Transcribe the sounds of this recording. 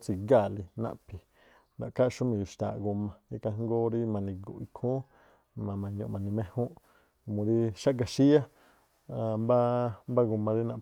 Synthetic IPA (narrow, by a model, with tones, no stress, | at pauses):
t͡si˧ɡa˦˨li˧nã̰˧ʔpi˧ | ndã˨ka˦˧ʃu˦mĩ˧˨ju˨ʃt̪a̰˨˧ɡu˧mã˧i˦ka˧ŋ˦ɡo˦ɾi˦mã˧nĩ˧ɡṵ˧˨i˧kʰũ˦ | mã˨mã˨˧ɲõ̰˧mã˧nĩ˧mẽ˦˧hũ˦ | mũ˨˧ɾi˦ʃa˦ka˧ʃi˦a˦˧ | mba˦mba˦ɡu˧mã˧ɾi˦nã˧˨